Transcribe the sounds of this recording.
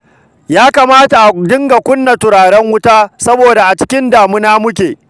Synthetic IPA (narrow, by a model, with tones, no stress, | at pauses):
jaː˦ka˨maː˦ta˨ʔa˨dɪ˦ŋɡa˨kʷʊ˦nːa˨tʊ˨ɾaː˨ɽɛ˦ŋwʊ˦taː˦sɐ˦boː˨da˨ʔa˨t͡ʃɪ̥˦kʲɪ˦ndaː˨mʊ˦naː˦mʊ˦kʲeː˨